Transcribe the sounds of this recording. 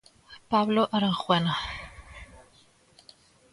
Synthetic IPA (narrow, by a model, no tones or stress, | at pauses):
bʰablɔʔəɾəχwɛna